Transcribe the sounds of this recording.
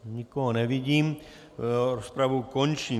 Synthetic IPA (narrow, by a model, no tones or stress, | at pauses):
ɲikoɦonɛviɟiːm | ɾospɾavukont͡ʃiː